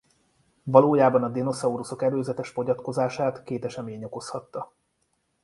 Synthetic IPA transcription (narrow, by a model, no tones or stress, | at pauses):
vɒloːjaːbɒnɒd̪ino̞sɒuɾuso̞kɛløːzɛt̪ɛʃfo̞ɟɒt̪ko̞zaːʃaːt̪keːt̪ɛʃɛmeːɲo̞ko̞shɒt̪ːɒ